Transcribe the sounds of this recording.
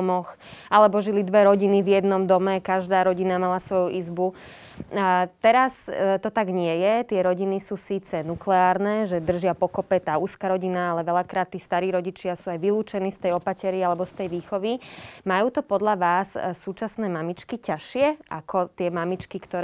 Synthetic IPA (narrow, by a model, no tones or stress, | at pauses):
mɔx | ʔalɛbɔʒilid̪ʋɛɾɔɟinivjɛd̪nɔmd̪ɔmɛkaʒd̪aːɾɔɟinamalasʋɔjuʔizbu | t̪ɛɾast̪ɔt̪aɡɲɪɛjɛt̪ɪɛɾɔɟinisuːsiːt͡sɛnuklɛaːɾnɛːʒɛd̪r̩ʒɪapɔkɔpɛt̪aːuːskaːɾɔɟinaalɛʋɛʎakɾaːt̪ːiːst̪aɾiːɾɔɟit͡ʃɪasuːajʋiluːt͡ʃɛnist̪ɛjɔpacɛɾialɛbɔst̪ɛjʋiːxɔʋimajuːt̪ɔpɔd̪ʎaʋaːssuːt͡ʃasnɛːmamit͡ʃkicaʃɪɛʔakʰɔt̪ɪɛmamit͡ʃkikt̪ɔɾ